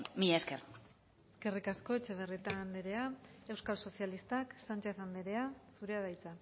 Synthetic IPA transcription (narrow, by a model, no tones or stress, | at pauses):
miʎaesker | eske̞rikasko̞et͡ʃe̞β̞erit̪aːnd̪eɾe̞ae̞wskalso̞sialist̪aksant͡ʃe̞θand̪eɾe̞asuɾe̞aðajt͡sa